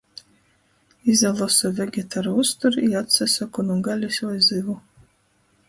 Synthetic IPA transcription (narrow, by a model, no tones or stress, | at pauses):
izalˠɔsɔvʲɛɡʲɛt̪ʰaɾust̪uɾiat̪sasakɔnuɡalʲisʲvɔjzɨvu